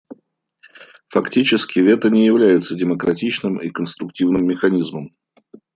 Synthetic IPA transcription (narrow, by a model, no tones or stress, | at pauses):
fɐktʲit͡ɕɪskʲɪvʲet̪ənʲɪjɪvlʲæjɪt̪sədʲɪməkɾɐtʲit͡ɕnɨmikənst̪ɾʊktʲivnɨmːʲɪxɐnʲizməm